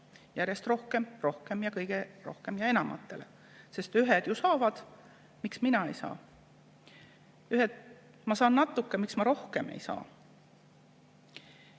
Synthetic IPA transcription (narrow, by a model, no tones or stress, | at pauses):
jæɾjest̪ro̞hkemro̞hke̞mjɑkɤjɡ̥e̞ro̞hkemjɑe̞nɑmʔɑ̰t̪ːˑe̞̰le | se̞st̪yɦed̪̥jusɑːvɑd̪̥ | miksminɑḛjsɑ̰ː | yɦed̪̥ | mɑsɑːnnːɑt̪ːˑukːemiksmɑɾo̞hke̞me̞̰jsɑ̰ː